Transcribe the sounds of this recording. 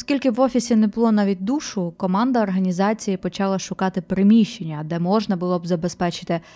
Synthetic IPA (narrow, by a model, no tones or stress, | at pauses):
ɔskʲilʲkɪʋɔfʲisʲinɛbʊlˠɔnɑʋʲit̚ʲd̪uʃʊkɔmɑnd̪ɐːrɦɐnʲizɑt͡sʲijipɔt͡ʃɑlˠɐʃʊkɑt̪ɪpɾɪmʲiʃt͡ʃenʲːɐd̪ɛmɔʒnɐbʊlˠɔbzɐbespɛt͡ʃɪ̥t̪ɪ